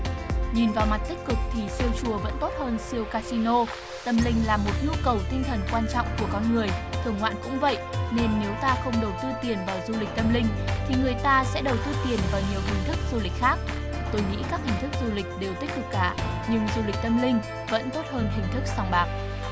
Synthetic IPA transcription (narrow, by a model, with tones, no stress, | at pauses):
ɲi˨˩nvaː˨˩wma˨˩t̚t̪ï˦˥k̟̚kɨ˨˩k̚t̪ʰi˨˩si˧əwt͡ɕu˨˩əvə̰˧˥nt̪o˦˥t̚həː˧nsi˧əwkaː˧si˧no˧ | t̪ə˧mlï˧ŋ̟laː˨˩mo˨˩t̚ɲu˧kə˨˩wt̪ï˧ŋ̟t̪ʰə˨˩nkwaː˧nt͡ɕɔ̰˧˨wŋ͡mku˧˩əkɔ˧nŋɨ˨˩əjk̪ʰɨː˨˧˩ŋ͡mŋwa̰ː˧˨nkʊ̰˧˥ŋ͡mvə̰˧˨jne˧nːe˨˦wt̪aː˧xə˧wŋ͡mɗə˨˩w̚t̪ɨ˧t̪i˨˩ənvaː˨˩wzu˧lï˨˩k̟̚t̪ə˧mlï˧ŋ̟t̪ʰi˨˩ŋɨ˨˩əjt̪aː˧sɛ̰˧˥ɗə˨˩wt̪ɨ˧t̪i˨˩ənvaː˨˩wɲi˨˩əwɦi˨˩ŋ̟t̪ʰɨ˦˥k̚z̥u˧lï˨˩k̟̚xaː˦˥k̚ | t̪o˧jŋḭ˧˥kaː˦˥k̚hï˨˩ŋ̟t̪ʰk̚zu˧lï˨˩k̟̚ɗe˨˩wt̪i˦˥k̚kɨ˨˩k̚ːaː˧˩ | ɲɨ˧ŋzu˧li˨˩k̟̚t̪ə˧mlï˧ŋ̟ | və̰˧˥nt̪o˦˥t̚həː˧nɦï˨˩ŋ̟t̪ʰɨ˦˥k̚sa˨˧˩wŋ͡mɓaː˨˩p̚